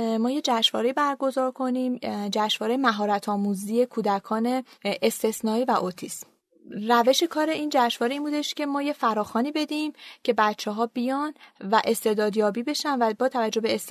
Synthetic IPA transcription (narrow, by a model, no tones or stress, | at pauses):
mɒːje̞d͡ʒæʃvɒ̰ːɾe̞ibæɾɡo̞zɒːɾkʰo̞nimd͡ʒæʃvɒːɾejemæɦɒːɾæt̪ʰɒːmuzije̞kʰuːd̪ækʰɒːne̞ʔest̪e̞snɒːiːvæʔot̪ʰis | ræve̞ʃe̞kʰɒːɾe̞iːnd͡ʒæʃvɒːɾeiːnbuːd̪e̞ʃcʰe̞mɒːje̞fæɾɒːxɒːniːbe̞d̪imcʰe̞bætt͡ʃʰːeɦɒːbijɒnvæʔe̞st̪e̞d̪ɒːd̪jɒːbiːbe̞ʃænvæbɒːt̪ʰævæd͡ʒːo̞beːs